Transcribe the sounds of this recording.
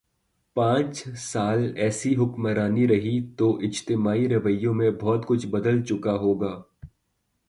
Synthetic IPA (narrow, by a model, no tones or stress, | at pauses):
pãːt͡ʃsaːlɛːsiɦʊkməɾaːniɾɐɦit̪oʔɪd͡ʒt̪ɪmaːiɾɐʋəjːõmẽbʱɔːt̪kʊt͡ʃʰbɐd̪əlt͡ʃʊkaɦoːɡaː